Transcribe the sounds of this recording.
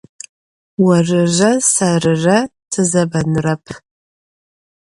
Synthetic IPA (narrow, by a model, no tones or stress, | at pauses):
wɐrɨʒɐsɐrɨrɐtʰɨzɐbɐnrɐpʰ